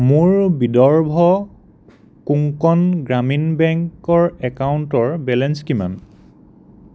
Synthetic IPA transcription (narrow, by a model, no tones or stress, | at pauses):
muɹbidɔɹbʱɔ | kuŋkɔnɡɹaminbɛŋkɔɹɛkawntɔɹbɛlɛnskima̰n